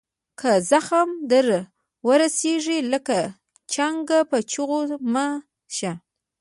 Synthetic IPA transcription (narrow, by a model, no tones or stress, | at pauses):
kʰəzaxamd̪əɾ | wəɾaseʐiləka | t͡ʃaŋɡapət͡ʃuɣoma | ʃa